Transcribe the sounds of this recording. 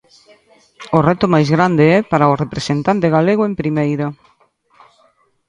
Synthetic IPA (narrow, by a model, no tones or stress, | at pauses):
ʊrɛt̪ʊmajzɣɾand̪eɛpaɾaʊrepɾesent̪ant̪eɣaleɣʊempɾimejɾɐ